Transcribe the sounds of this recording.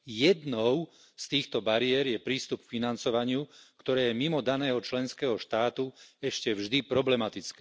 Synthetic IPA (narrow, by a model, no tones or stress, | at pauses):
jɛd̪nɔʊ | st̪iːxt̪ɔbaɾɪɛɾjɛpɾiːst̪up̚kfinant͡sɔʋaɲɪukt̪ɔɾɛːjɛmimɔd̪anɛːɦɔt͡ʃlɛnskɛːɦɔʃt̪aːt̪uɛʃcɛvʒd̪ipɾɔblɛmat̪it͡skɛ